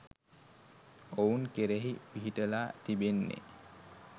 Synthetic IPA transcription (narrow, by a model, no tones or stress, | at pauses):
ouŋkeɾeɦipiɦiʈəlaːt̪ibenːḛ